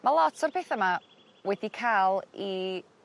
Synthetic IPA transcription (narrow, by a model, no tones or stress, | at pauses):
malˠɔtʰɔrpʰeːθama | wɛdikʰaːlˠi